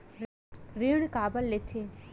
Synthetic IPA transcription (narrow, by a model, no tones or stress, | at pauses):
ɾiɽ̃kaːbəlːet̪ʰe